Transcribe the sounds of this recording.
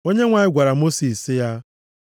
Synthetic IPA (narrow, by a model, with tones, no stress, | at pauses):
o˦ɲe˦ŋʷa˨ɲɪ˦ɡʷa˨ɾa˨mo˦si˨sɪ˦ja˦